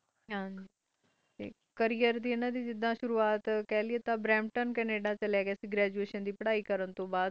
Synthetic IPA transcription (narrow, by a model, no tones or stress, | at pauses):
ɦãːɲiː | t̪ḛː | kəɾijəɾd̪iːɪnãːd̪iːd͡ʒɪd̪ːãːʃʊɾuːaːt̪kɛːlɪeːt̪ãbɾɛːmʈənkɛneːɖaːt͡ʃəlɛːɡeːsiɡɾɛːd͡ʒueːʃənd̪iːpəɽaːiːkəɾənt̪õːbaːd̪